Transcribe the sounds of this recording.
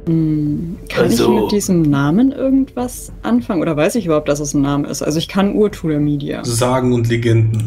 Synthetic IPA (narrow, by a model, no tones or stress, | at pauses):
m̩kʰanɪçmɪd̥iːzəmnaːmənʔɪɐɡŋ̩tv̥as | ʔa̰nfaŋənoːdɐvaɪsɪçʔybɐhaʊptd̥as̬d̥asn̩naːməɪ̰stʔa̰lzoɪçkʰanʔuːɐtʰuːlɐmiːdia̰zaːɡŋ̩ʊntleɡɛndn̩